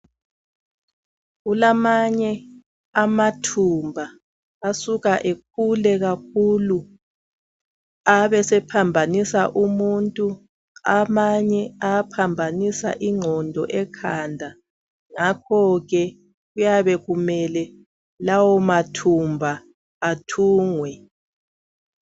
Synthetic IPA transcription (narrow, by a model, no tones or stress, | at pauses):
ɣulamaɲɛ | amatʰumbʱa | asuɣaʔek̚ʰulɛɣak̚ʰulu | aβɛsɛpʰambʱanisaʔumuntʼu | amaɲɛapʰambʱanisa̰ʔiŋ͡ǃʱɔndʱɔʔɛkʰandʱa | ŋakʰɔɣɛ | ɣujaβɛɣumɛlɛ | lawɔmatʰumbʱaː | tʰuːŋwɛ